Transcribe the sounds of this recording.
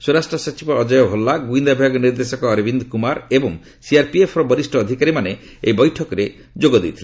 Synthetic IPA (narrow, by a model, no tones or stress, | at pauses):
suɾasʈɾɔsɔt͡ʃibɔːd͡ʒɔjɔɦolːaɡuind̪abʱjaɡɔniɾd̪esɔkɔːɾibind̪ɔkumaɾebɔŋ | siaɾpiepʰɔɾɔbɔɾisʈʰɔːd̪ʱikaɾimane | ejbɔjʈʰɔkɔɾe | d͡ʒoɡɔd̪ejt̪ʰile